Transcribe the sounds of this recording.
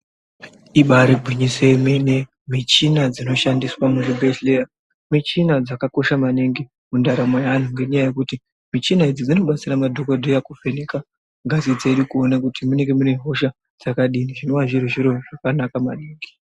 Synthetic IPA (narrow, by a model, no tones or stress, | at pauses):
iɓaɾeɡʱiɲisemene | mit͡ʃinad͡zino̞ʃandiswamuʐibʱeɬlea | mit͡ʃinad͡zakako̞ʃamaneŋɡi | mundaɾamojaan̤uŋɡe̞ɲajaje̞kuti | mit͡ʃinaid͡zid͡zino̞ɓat͡siramadʱokodʱojakuvenika | ŋɡazid͡ze̞ɗukuonakutimune̞ŋɡe̞muneɦo̞ʃa | d͡zakaɗiniʐino̞ʋaʐiruʐiɾo̞ʐ̥akanakamaneːŋɡi